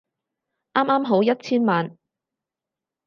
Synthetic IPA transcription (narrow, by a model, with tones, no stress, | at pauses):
ʔaː˥maː˥mɦo˨˥wjɐ˥t̚t͡sʰiː˥nmaː˨˧n